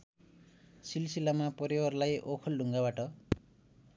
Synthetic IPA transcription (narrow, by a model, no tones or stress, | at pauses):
silsilamapʌɾewʌrlajʔokʰʌlɖʱuŋɡabaʈʌ